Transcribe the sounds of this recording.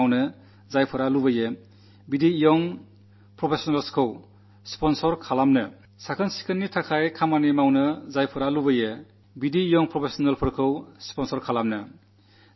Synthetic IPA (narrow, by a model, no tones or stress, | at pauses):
wnɯ | zajpʰɯɾalubɯje | bidiːjɔŋ | pɾɔpʰesɔnalskʰɯw | spɔnsɔɾkʰalamnɯ | sakʰɯnsi̥kʰɯnːitʰakʰajkʰamanemawnɯzajpʰɯɾalubɯje | bidiːjɔŋpɾɔpʰesɔnelpʰɯɾkʰɯwspɔnsɔɾkʰalamnɯ